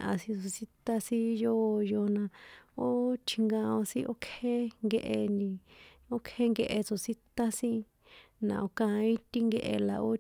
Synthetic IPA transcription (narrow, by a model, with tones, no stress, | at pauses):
ʔa̰˨sĩ˧t͡so˧si˦t̪a˦sĩ˦jo˦˧jo˧nã˧o˦t͡ʃʰi˧ŋɡã˧õ˧sĩ˦ʔo˦kʰe˦ŋɡe˧ʔe˧nĩ˧ | o˦kʰe˦ŋɡe˧ʔe˧t͡so˨si˦t̪a˦sĩ˦ | nã̰˨o˧kã˧ĩ˦t̪i˦ŋɡe˧ʔe˧la̰˨o˦